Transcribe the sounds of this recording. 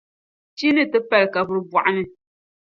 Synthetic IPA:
t͡ʃi˦nɨ˦tɨ˦pɛ˦lka˨bu˨ɾbwa˨ʔa˦nɨ˦

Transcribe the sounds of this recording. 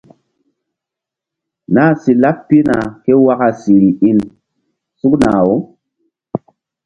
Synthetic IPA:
na˦˨si˨la˦ppːi˦na˨ke˦wa˦ka˨si˨ɾi˨i˦n | su˦kna˨o˦

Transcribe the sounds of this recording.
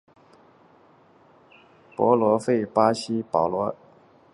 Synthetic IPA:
pwɔ̰˧˥lwɔ˧˥fe˥˩ɪpa˥ɕi˥pɑ˨˩ʊlwɔ˧˥

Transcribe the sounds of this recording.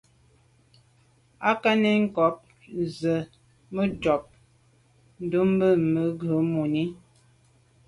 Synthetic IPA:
a˦ka˦ne˦ŋ̩˦kɔ˨˦p̚ | zə˨ | mə˦d͡ʒɔ˨p̚ | n̩˦du˦m˦bə˦mə˨ɡə˨˦mo˨ni˦

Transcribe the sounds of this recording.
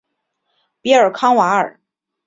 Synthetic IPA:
pi˧˥ə˞˨˩kʰɑ˥ŋwa˧˥ə̰˞˨˩˦

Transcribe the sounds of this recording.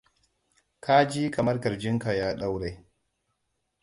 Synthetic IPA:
kʰa˦d͡ʒiː˦ka˨mɐ˦ɾkɐ˨ɾd͡ʒɪ˦ŋka˨jaː˦ɗa˦wɾe˨˦

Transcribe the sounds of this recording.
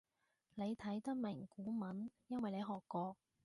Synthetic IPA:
ne˨˧jt̪ʰɐ˨˥jt̪ɐ˥k̚mɪ˨˩ŋkuː˨˥mɐ˨˥njɐ˥nwɐ˨jle˨˧ɦɔː˨kːɔː˧k̚

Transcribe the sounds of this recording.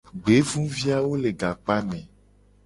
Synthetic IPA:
ɡ͡be˨˦vũ˦vi˦a˦wo˦le˨ɡa˨k͡pa˦nɛ̃˨

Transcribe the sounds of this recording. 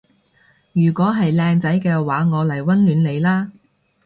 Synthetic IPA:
jyː˨˩kʷɔː˨˥ɦɐ˨jlɛː˧ŋt͡sɐ˨˥jkɛː˧waː˨˥ŋɔː˨˧lɐ˨˩jwɐ˥nlyː˨˧nle˨˧jlaː˥

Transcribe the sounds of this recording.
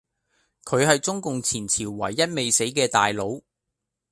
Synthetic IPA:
kʰɵ˨˧ɥhɐ˨jt͡sʊ˥ŋkʊ˨ŋt͡sʰiː˨˩nt͡sʰiː˨˩wːɐ˨˩jːɐ˥t̚me˨jse˨˥jkɛː˧t̪aː˨jlo˨˧w

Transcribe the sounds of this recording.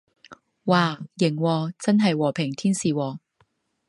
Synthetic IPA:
waː˨˧jɪ˨˩ŋwɔː˧t͡sɐ˥nɦɐ˨jwɔː˨˩pʰɪ˨˩ŋt̪ʰiː˥nsiː˨˩wɔː˨˩

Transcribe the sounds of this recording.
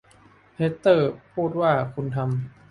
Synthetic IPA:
hʰe˦˥t̪ːɤː˥˩pʰuː˥˩t̪̚waː˥˩kʰu˧nt̪ʰa˧m

